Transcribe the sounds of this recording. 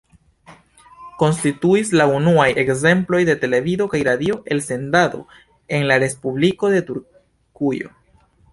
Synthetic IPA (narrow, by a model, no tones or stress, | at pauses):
ko̞nstituislaunuajʔe̞kze̞mplo̞jde̞te̞le̞vido̞kajɾadio̞ʔe̞lse̞ndado̞̰ | e̞nlaɾe̞spubliko̞de̞tuɾ | kujo̞̰